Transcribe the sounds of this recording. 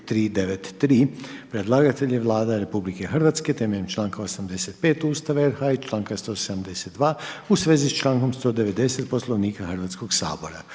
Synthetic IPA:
t̪ɾiːd̪eʋet̪ːɾiːpɾed̪lˠaɡat̪e̞ʎeʋlˠaːd̪aɾe̞publike̞xrʋat̪ske̞t̪e̞meʎemt͡ʃlˠaːŋkaosamd̪e̞set̪̚pe̞ːt̪uːst̪aʋaeɾxait͡ʃlˠaːŋkast̪oseamd̪e̞set̪d̪ʋaːusʋe̞ːzist͡ʃlˠaːŋko̞mst̪o̞ːd̪e̞ʋe̞d̪e̞set̪̚po̞slˠoʋniːkaxr̩ʋat̪sko̞ɡsa̰ːbo̞ɾa̰

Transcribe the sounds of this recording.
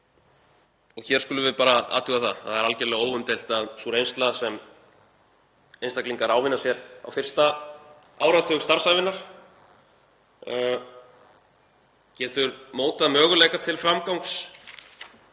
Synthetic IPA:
ɔɣçɛɾskʏːlʏvɪpaːɾaa̰ːt̪ʏɣaθaθaðɛɾalcɛɾlɛɣoːwvʏmt̪ejl̥t̪aðsuɾejnst̪lasɛm | ejnst̪akliŋkaɾaːwvɪnːasjɛɾa̰wfɪr̥st̪a | aːwɾat̪ʰœɣst̪aɾ̥sajvɪnːaɾ̥ | cɛːt̪ʏɾmoːwt̪aðmœːɣʏlejkat̪ʰɪlfɾamkawŋks

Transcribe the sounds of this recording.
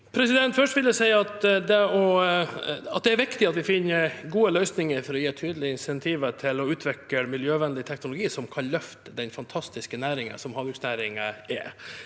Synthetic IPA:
pʰɾɛsɪd̪ɛnt̪fœʂʈʋɪld̪ɛsæɪɑt̪d̪ɛɔ | ɑt̪̚d̪ɛæɾʋɪkt̪ɪɑt̪ʋɪfɪnːəɾɡuːəlœʏsnɪŋəɾfɔɾɔjiːʈ̪ʰyːd̪əlɪəɪnsɛnt̪ʰiːʋəʈʰɪlɔʉːt̪ʰʋɪkəɾmɪljøːʋɛnlɪt̪ʰɛknʊlʊɡiːsɔmkʰɑlːœft̪əd̪ɛnfɑnt̪ʰɑst̪ɪskənæːɾɪŋə̰sɔmhɑnʋɾʉksnæːɾɪŋəɛ̰

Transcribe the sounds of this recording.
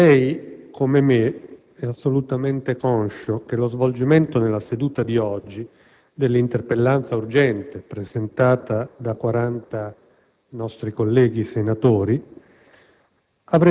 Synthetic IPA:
lɛjkʰomeme | ɛasːolut̪ament̪ekɔnʃok̟elozvold͡ʒiment̪onelːased̪uːt̪ad̪iɔd͡ʒːi | d̪elːint̪erpelːant̪saurd͡ʒɛnt̪epɾezent̪aːt̪ad̪akwaɾant̪a | nɔst̪ɾikolːɛːɡisenat̪oːɾi | avɾɛ

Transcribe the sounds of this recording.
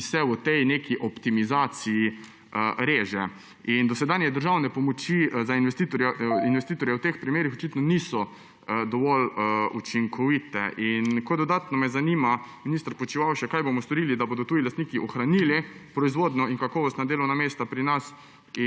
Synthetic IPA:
sɛwət̪ɛjnekiʔɔpt̪imizaːt̪siji | əɾeːʒɛ | ind̪ɔsɛd̪anjɛd̪əɾʒawnɛpɔmɔt͡ʃizainʋɛst̪iːt̪ɔɾjainʋɛst̪iːt̪ɔɾjɛwt̪expɾimeːɾixɔt͡ʃit̪nɔnisɔ | d̪ɔʋɔlṵt͡ʃiŋkʰɔʋit̪ɛ̰ʔinkod̪ɔd̪aːt̪nɔmɛzanimaminist̪əɾpɔt͡ʃiʋawʃɛkajbomɔst̪ɔɾilid̪abod̪ɔt̪uːilast̪niːkiʔɔxɾanilipɾɔizʋod̪nɔiŋkakɔːʋɔst̪nad̪eːlɔwnameːst̪apɾinas | i

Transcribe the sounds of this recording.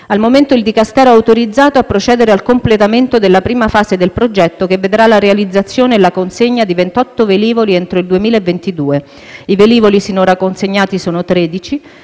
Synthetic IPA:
almoment̪oild̪ikast̪ɛːɾoɛawt̪oɾid̪zːaːt̪oapːɾot͡ʃɛːd̪eɾealkomplet̪ament̪od̪elːapɾiːmafaːzed̪elpɾod͡ʒɛt̪ːokevːed̪ɾalaɾealid̪zːat̪sːjoːneːlakonseɲːad̪ivent̪ɔt̪ːoveliːvoliɛnt̪ɾoild̪uemiːlaevːent̪id̪uːe | iveliːvolisinoɾakːonseɲːaːt̪isoːnot̪ɾeːd̪it͡ʃi

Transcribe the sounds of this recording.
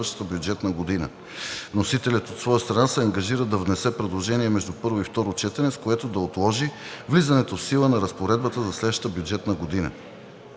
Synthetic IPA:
əʃt̪ə̥t̪əbʲjud͡ʒɛt̪nəɡod̪inə̰ | nosit̪ɛlʲət̪ot̪svɔjəst̪ɾɐnasɛɐŋɡɐʒiɾəd̪ɐvnɛsɛpɾɛd̪lˠoʒɛniɛmɛʒd̪upɤɾvoift̪ɔɾot͡ʃɛt̪ɛnɛskoɛt̪od̪ɐot̪lˠɔʒivlizɐnɛt̪ofsilˠənɐɾɐspoɾɛd̪̚bət̪əzɐslɛd̪vəʃt̪ət̪əbjud͡ʒɛt̪nəɡod̪inə̰

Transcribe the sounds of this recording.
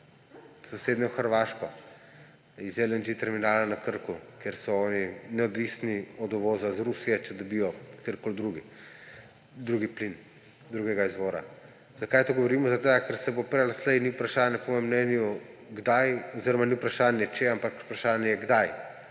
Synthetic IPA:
z̥aseːd̪nʲɛxəɾʋaːʃkɔ | izelɛnd͡ʒit̪ɛɾminaːlanɐkəɾkukjeɾsɔɔːninɛɔd̪ʋisniɔd̪ɔʋɔːzazɾusijɛt͡ʃɛd̪ɔbijɔkt̪eɾkold̪ɾuɡi | d̪ɾuɡiplin | d̪ɾuɡɛɡaizʋɔːɾa̰ | z̥akajt̪oɡɔʋɔɾiːmɔzaɡd̪aɡkɛɾsɛbopɾɛlaslɛjniupɾaʃaːnjɛpɔmɔːjɛmnɛːnjuɡd̪ajɔziɾɔmaniupɾaʃaːnjɛt͡ʃeampaku̥pɾaʃaːnjɛjɛɡd̪aj

